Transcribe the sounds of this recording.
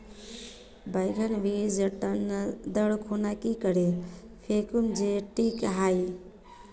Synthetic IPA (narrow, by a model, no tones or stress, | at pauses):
bajɡʱənʋid͡ʒəʈənd̪əɽkʰunakikəɾe | pʰekumd͡ʒeʈikɦaj